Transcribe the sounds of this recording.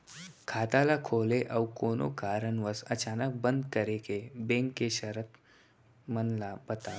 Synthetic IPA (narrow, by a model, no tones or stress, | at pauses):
kʰaːt̪alakʰoːleʔəwkoːno̰kaːɾəɳʋəsət͡ʃaːnək̚bənd̪kəɾekebẽŋkːeʃəɾət̪ | mənlabət̪a